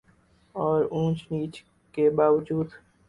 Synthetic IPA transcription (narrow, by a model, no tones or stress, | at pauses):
ɔːɾũːt͡ʃniːt͡ʃ | kebaːʋd͡ʒuːd̪